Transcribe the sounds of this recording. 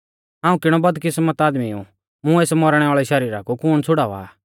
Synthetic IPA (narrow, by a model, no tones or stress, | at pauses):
ɦãːũkɪɽ̃ɔbɐd̪kɪsmɐt̪aːd̪miṵ̃ | mũeːsmɔɾɽ̃ɛaːɭɛʃɐɾiːɾakukʊñt͡sʰʊɽaːʋa̰ː